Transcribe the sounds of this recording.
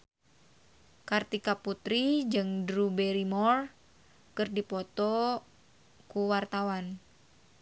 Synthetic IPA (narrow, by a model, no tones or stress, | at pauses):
kart̪ikaput̪ɾid͡ʒɨŋdɾubɛɾimɔr | kɨrdipɔt̪ɔ | kuwart̪awan